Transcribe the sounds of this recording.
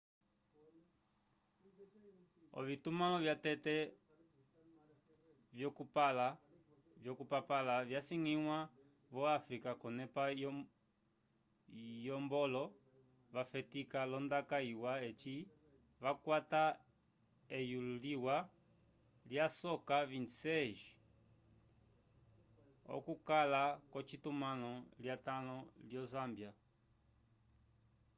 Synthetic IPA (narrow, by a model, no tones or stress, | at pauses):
ɔ̰vitumalɔvjatɛtɛ | vjɔkupala | vjɔkupapalavjasiŋiŋwa | vɔafɾikakɔnɛpa | jɔmbɔlɔ | βafɛtikalɔndakaiwaɛt͡ʃi | βakwata | ɛjululiwa | ljasɔkaβinsɛʒi̥ | ɔ̰kukalakɔt͡ʃitumanɔljatanɔljɔzambja